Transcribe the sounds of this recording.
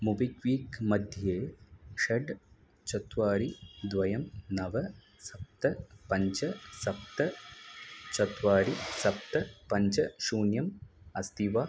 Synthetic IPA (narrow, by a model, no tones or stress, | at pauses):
mubikʋiːkmɐd̪ʱjeːʂɐɖ | t͡ʃɐt̪ʋaːɾid̪ʋɐjɐmnɐʋɐ | sɐp̚t̪ɐpɐɲt͡ʃɐsɐp̚t̪ɐ | t͡ʃɐt̪ʋaːɾisɐp̚t̪ɐpɐɲt͡ʃɐʃuːnjɐmɐst̪iʋa